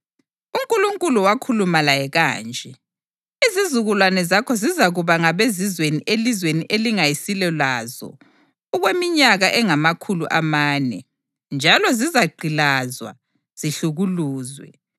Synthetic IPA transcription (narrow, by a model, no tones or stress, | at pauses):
uŋkʼuluŋkʼuluwakʰulumalajɛɣa̰ːnt͡ʃʼɛ | izizuɣulwanɛzakʰɔzizaɣuβaŋaβezizweniʔelizweniʔeliŋajisilɛlaːzɔ̰ | uɣwemiɲaɣaʔɛŋamakʰuluʔamaːnɛ̰ | nd͡ʒʱalɔzizaɡ͡ǃʱilazwa̰ | z̥iɬuɣuluːzwɛ̰